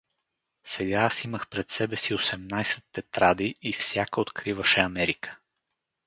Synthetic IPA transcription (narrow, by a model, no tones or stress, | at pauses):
sɛɡaasiməxpɾɛt̪sɛbɛsiosɛmnajsɛt̪ːɛt̪ɾad̪iːfsʲjakəot̪kɾivəʃɛɐmɛɾikə̥